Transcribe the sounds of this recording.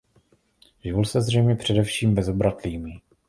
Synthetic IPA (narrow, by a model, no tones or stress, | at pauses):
ʒulsɛzrɛjmɲɛpr̝̥ɛdɛfʃiːmbɛzobɾat̪liːmi